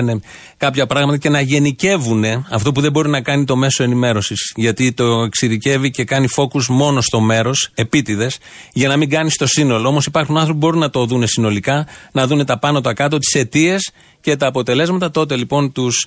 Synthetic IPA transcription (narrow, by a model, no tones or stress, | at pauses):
ne | kɐpçɐpɾɐɣmɐt̪ɐce̞nɐʝe̞nice̞vune̞ɐft̪o̞p̬uðe̞bo̞ɾinɐkɐnit̪o̞me̞so̞e̞nime̞ɾo̞sizʝɐt̪it̪o̞eksiðice̞vice̞kɐnifo̞kuzmo̞no̞st̪o̞me̞ɾo̞se̞pit̪iðe̞s | ʝɐnɐmiɡɐnist̪o̞sino̞loo̞mo̞sipɐɾxunɐnθɾo̞p̬ibo̞ɾunɐt̪o̞ðune̞sino̞likɐnɐðune̞t̪ɐpɐnot̪oɐkɐt̪o̞t̪i̥se̞t̪ie̞s | ce̞t̪ɐːpo̞t̪e̞le̞zmɐt̪ɐt̪o̞t̪e̞lipo̞nt̪us